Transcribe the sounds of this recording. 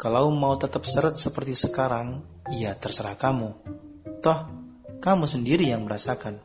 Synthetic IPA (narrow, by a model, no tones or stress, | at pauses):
kalaumaut̪ət̪əp̚səɾət̪̚səpərt̪isəkaɾaŋ | ijat̪ərsəɾahkamu | t̪ɔh | kamusəndiɾijaŋməɾasakan